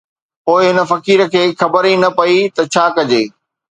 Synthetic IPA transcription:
poːɪɦɪnə̆fɐkiːɾə̆kʰeːxɐbəɾinɐpɐit̪ɐt͡ɕʰaːkɐd͡ʑeː

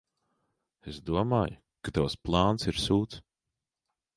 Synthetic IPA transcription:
esd̪uɔmaːj | kat̪awsplˠaːnsiɾsuːt̪s

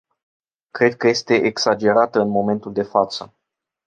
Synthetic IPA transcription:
kɾe̞d̪̚kəje̞st̪e̞ʔeksad͡ʒe̞ɾat̪əɨnmo̞me̞nt̪uld̪e̞fat̪sə

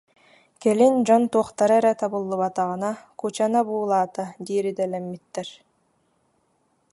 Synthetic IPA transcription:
kɛlind͡ʑɔnt̪uɔχt̪aɾɯɛɾɛt̪abɯlˠːɯβat̪aʁɯnakut͡ɕanabuːlˠaːt̪ad̪iːɾid̪ɛlɛmːit̪ːɛɾ

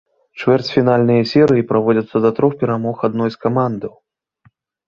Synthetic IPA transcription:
t͡ʂvʲɛrt͡sʲfʲinalʲnɨjɐsʲɛɾɨjipɾavɔd͡zʲɐt̪sːɐd̪ɐt̪ɾɔxpʲɛɾamɔxad̪̚nɔjskamand̪ɨw

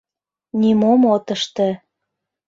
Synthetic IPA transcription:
nʲimomot̪ə̆ʃt̪ĕ

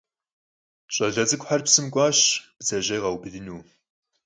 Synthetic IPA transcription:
ɕʼɐɮɐd͡zɨkʷʼħarpsɨmɡʷɑːɕb̥zɐʑejʁɐwbɨdɨnuː

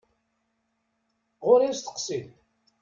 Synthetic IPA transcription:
ʁʊɾist̪ə̥qsil

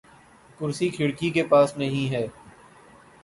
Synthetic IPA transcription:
kʊɾsikʰɪɽkikepaːsnɐɦĩɦɛː

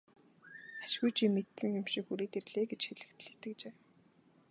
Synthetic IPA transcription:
ḁʃɣujt͡ɕʰimet̪sɘ̆ŋxʊmʃĭkxuɾeːt̪erɮeːɡet͡ɕxeɮɘ̆kt̪ɮɘ̥̆t̪ɘ̆k̚t͡ɕeː

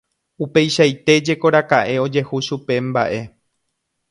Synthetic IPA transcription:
upe̞jʃajt̪e̞d͡ʒe̞ko̞ɾakaʔe̞o̞d͡ʒe̞huʃupe̞mba̰ʔe̞

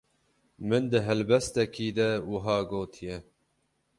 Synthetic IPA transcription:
mɨnd̪ɨɦɛlbɛst̪ɛkʰiːd̪ɛwɨɦɑːɡoːt̪ʰijɛ

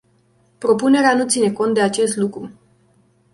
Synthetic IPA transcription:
pɾo̞pune̞ɾeanut̪sine̞ko̞nt̪d̪e̞at͡ʃe̞st̪lukɾu

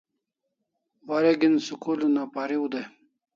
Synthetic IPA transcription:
waɾeɡinsukulunapaɾiwud̪e

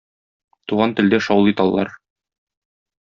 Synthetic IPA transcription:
t̪uʁɑnt̪ɘ̆ld̪æʃɒwlˠit̪ɑlˠːɑ̰ɾ

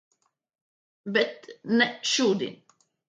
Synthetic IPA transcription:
bɛt̪nɛʃuːd̪ḭn

